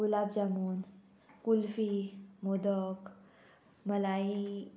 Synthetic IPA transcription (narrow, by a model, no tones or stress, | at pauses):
ɡulaːbd͡ʑamuːn | kulfimod̪ɔk | məlaːi